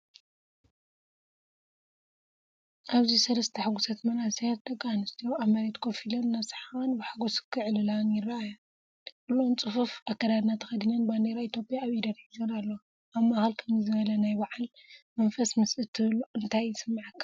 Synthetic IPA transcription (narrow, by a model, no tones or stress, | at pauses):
ʔaβzisɐlɐst̪ʰɐħaɡusɐt̪mɐnaset̪̚d̪ɐɡʼanɨst̪ʰijoaβmɐɾet̪kʰofilɐnnasħanbɨħaɡoskʰɨʕlɨlanjɪrːaʔaja | ʔɨlont͡sʼɨfufʔakːɐd̪ad̪nat̪ʰɐxɐd̪inɐnband̪eɾait̪ʰjo̞pʼjaːβid̪ɐd̪ħizonalːo | ʔaβmaxalkʰɐmzɨβɐlɐnajbaʕalmɐnfɐsmɨsʔɨt̪ʰːɨβɨluɨnt̪ʰajːɨsɨmːaʕakʰːḁ